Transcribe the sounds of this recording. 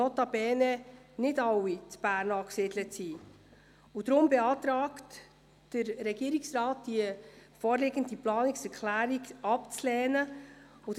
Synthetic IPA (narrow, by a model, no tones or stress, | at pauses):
ɔt̪ɑbɛːnɛnɪdɑwit͡sb̥æːɾnɑːksɪdlətsiː | ʊd̥ɾʊmbɛɑːtɾɑːkt | d̥əɾɾɛɡ̥iːɾiksrɑːt̚d̥ifɔːɾlɪːɡəndiplɑːnɪksɛɾkʰlæːɾiɡɑpt͡slɛːnə | ʊd